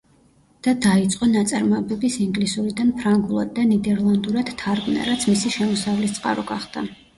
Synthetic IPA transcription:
d̪̥ad̪ait̪sʼqʼɔnat̪sʼaɾmɔɛbɛbisiŋɡlisuɾid̪anpʰɾaŋɡulˠa̰d̪̚ːanid̪ɛɾlˠand̪uɾad̪̥t̪ʰːaɾɡmna̰ɾat̪sʰmisiʃɛmɔsavlist̪sʼqʼa̰ɾɔɡaχd̪̥a

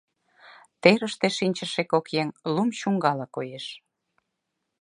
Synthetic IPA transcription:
t̪eɾəʃt̪eʃinʲt͡ɕə̆ʃekokjeŋlumʃuŋɡɑlɑkojeʃ

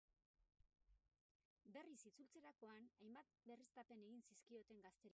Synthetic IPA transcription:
be̞risit͡sult͡se̞ɾako̞anajmbat̪̚be̞rist̪ape̞ne̞ɣinsiskio̞t̪e̞ŋɡast̪e̞ɾ

